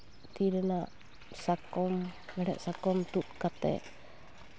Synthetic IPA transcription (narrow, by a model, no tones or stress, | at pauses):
t̪idənaʔ | sakɔmbaɽa̰ʔsakɔmt̪uʔkat̪ɛ̰ʔ